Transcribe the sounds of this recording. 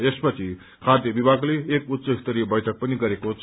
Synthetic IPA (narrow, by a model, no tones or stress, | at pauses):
espʌt͡sʰi | kʰad̪ʱjʌbibʱaɡleːkut̪sʌist̪ʌɾibʌjʈʰʌk̚pʌniɡʌɾekot͡sʰ